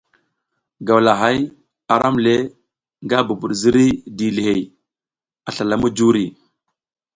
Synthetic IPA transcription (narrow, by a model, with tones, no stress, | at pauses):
ɡa˨wla˨ɦa˦j | a˨ɾa˦mle˦ | ŋɡa˦bu˨bu˨ɗzi˦ɾi˦di˨li˨ɦe˨j | a˨ɬa˨la˨mu˦d͡ʒu˦ɾi˨